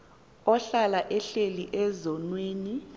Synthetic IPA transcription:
ɔɬalaʔɛɬeliʔɛzɔnweːni

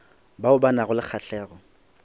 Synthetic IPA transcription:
baʊbanaɣʊlɪk͡xʰaɬɛːɣɔ

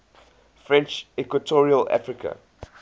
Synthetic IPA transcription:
fɹɛ̃nt͡ʃɛkwətʰɔɹiəla̰fɹikʰə̰

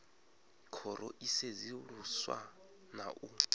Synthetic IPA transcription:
kʰɔɾɔʔiseziruswa̰ | na̰ʔu

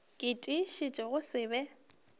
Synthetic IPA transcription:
kʼɪtʼiʃɪt͡ʃʼɪɣʊsɪːbɛ

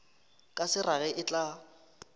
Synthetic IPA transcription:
kʼasɪraɣɛʔɪt͡ɬʼa

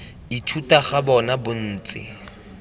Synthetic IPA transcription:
itʰutaχabɔnabʊn̩ːt͡sʼɪ̰

